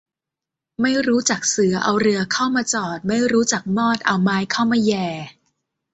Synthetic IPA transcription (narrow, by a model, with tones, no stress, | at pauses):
ma˥˩jɾuː˦˥t͡ɕa˨˩k̚sɯ˩˦ɐʔa˧wɾɯ˧ɐkʰa˥˩wmaː˧t͡ɕɔː˨˩t̪̚ma˥˩jɾuː˦˥t͡ɕa˨˩k̚mɔː˥˩t̪̚ʔa˧wmaː˧jkʰa˥˩wmaː˧jɛː˨˩